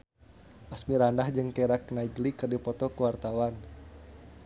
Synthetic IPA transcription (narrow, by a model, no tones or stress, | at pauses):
ʔasmiɾandahd͡ʒɨŋkɛɾaknaiɡlikɨrdipɔt̪ɔkuwart̪awan